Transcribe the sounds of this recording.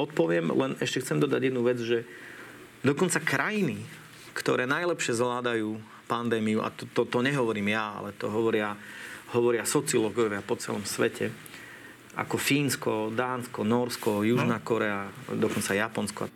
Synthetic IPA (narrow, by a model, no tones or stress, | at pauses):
ɔt̪̚pɔʋɪɛmlɛnɛʃcɛxt͡sɛmd̪ɔd̪a̰ɟjɛd̪nuʋɛd͡zʒɛ | d̪ɔkɔnt͡sakɾʔajini | kt̪ɔɾɛːnajlɛpʃɪɛzʋlaːd̪ajuː | pand̪ɛːmiuʔa̰t̪ɔt̪ɔt̪ɔɲɛɦɔʋɔɾiːmjaa̰lɛt̪ɔ̰ɦɔʋɔɾɪaɦɔʋɔɾɪasɔt͡siɔlɔɡɔjɔʋɪapɔt͡sɛ̰lɔmsʋɛcʰɛ | a̰kɔfiːnskɔd̪aːnskɔnɔɾskɔjuʒnakɔɾɛad̪ɔkɔnt͡sajapɔnskɔa̰